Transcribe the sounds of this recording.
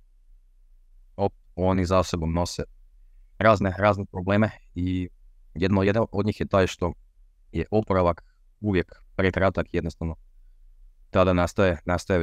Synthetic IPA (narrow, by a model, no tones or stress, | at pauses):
opet̪o̞nizasoɡumno̞se | ɾaːzneɾaːznepɾobleːmei | jed̪nojed̪aʔod̪ɲiːxjet̪aːjʃt̪o̞ | jeʔopoɾaʋak | uʋjekpɾekɾat̪akjed̪no̞st̪aʋno̞ | t̪ad̪anast̪ajenast̪aje